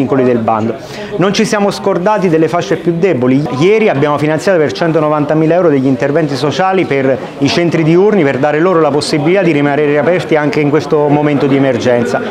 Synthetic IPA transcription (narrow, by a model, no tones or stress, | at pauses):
iŋkolid̪elba̰nd̪o | nont͡ʃisjaːmoskord̪aːt̪id̪elːefaʃːepjud̪ːɛbolijɛːɾiabjaːmofinansjaːt̪opert͡ʃɛnt̪onovant̪amiːlaɛwɾod̪eʎːint̪ervɛnt̪isot͡ʃaːliper | it͡ʃɛnt̪ɾid̪iurniperd̪aːɾeloːɾolaposːibilit̪ad̪ːiɾimaneːɾeapɛrt̪iaŋkeiŋkwest̪omoment̪od̪iemerd͡ʒɛnt̪sa